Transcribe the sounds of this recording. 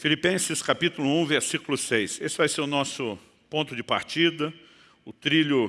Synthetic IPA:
filipẽsɪskapit̪ʊlʊũveɾsikʊlʊsejsesɪvajseɾʊnɔsʊ | põnt̪ʊd͡ʒɪpa̰ɾt͡ʃid̪ɐ | ʊt̪ɾiʎʊ

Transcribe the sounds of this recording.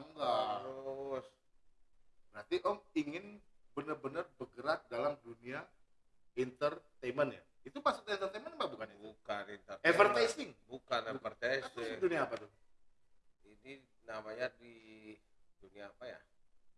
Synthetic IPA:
ŋɡaɾʊs | bəɾart̪iʔɔmiŋɪnbənərbənərbəɡəɾat̪̚dalamdunia | int̪ərt̪ejmənja̰ | it̪upaksuk̪̚ɲaint̪ərt̪ejmənpabukaniukanint̪ərevərt̪ajsɪŋbukanevərt̪asassduniaːpat̪ʊ | ini | namaɲadi | duniaːpaja̰

